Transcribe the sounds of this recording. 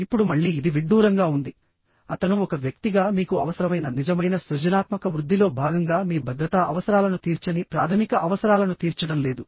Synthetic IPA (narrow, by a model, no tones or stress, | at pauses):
ipːuɽumɐɭːiːd̪iʋiɖːuːɾɐŋɡaːund̪i | ɐt̪ɐnuɔkɐʋjɐk̚t̪iɡaːmiːkuɐʋɐsɐɾɐmɐjnɐnid͡ʒɐmɐjnɐsʋɐd͡ʒɐnaːt̪mɐkɐʋɾud̪ʱːilo̞ːbʱaːɡɐŋɡaːmiːbʱɐd̪ɾɐt̪aʔɐʋɐsɐɾaːlɐnut̪iːɾt͡ʃɐnipɾa̰ːt̪ʰɐmikɐʔɐʋɐsɐɾaːlɐnut̪iːɾt͡ʃɐɽɐmle̞ːd̪u